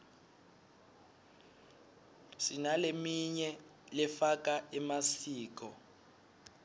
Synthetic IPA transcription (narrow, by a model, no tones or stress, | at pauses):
sinalemiɲɛ | lɛfak̬ʼaɛmasiːk̬ɔ